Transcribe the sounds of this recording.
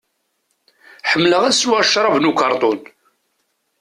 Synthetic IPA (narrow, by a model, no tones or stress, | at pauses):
ħəmːləʁæswæʃɾˤɑvnukɑɾˤt̪ˤoʊn